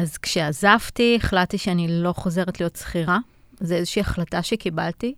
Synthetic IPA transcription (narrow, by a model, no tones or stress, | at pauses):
azkʃeazavtieχlatiʃeanilo̞χo̞ze̞ʁetlijo̞tsχiʁa | zeezeʃiːaχlataʃekibalti